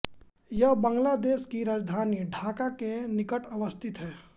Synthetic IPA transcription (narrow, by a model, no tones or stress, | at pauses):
jəɦbə̃ŋɡlaːd̪eːʃkiɾad͡ʒd̪ʱaːniɖʱaːkakenɪkəʈəʋəst̪ʰɪt̪ɦɛː